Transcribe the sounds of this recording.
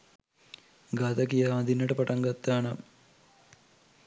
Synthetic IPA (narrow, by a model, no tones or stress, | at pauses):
ɡat̪ɐkijaːmɐd̪inːəʈəpɐʈɐŋɡɐt̪ːaːnɐm